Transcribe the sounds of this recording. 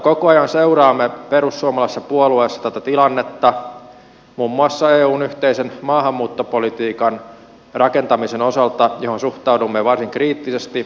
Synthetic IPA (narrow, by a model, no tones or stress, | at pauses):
kokoɑjɑnseuɾɑːmːepeɾusːuomɑlɑsːɑpuolueːsːɑ̥t̪æt̪æt̪ilɑnːet̪ːɑ | mumːuɑsːɑeːuːnyht̪eisenmɑːhɑmːuːt̪ːopolit̪iːkɑn | rɑkent̪ɑmisenosɑlt̪ɑjohonsuht̪ɑudumːeʋɑrsiŋkriːt̪ːisest̪i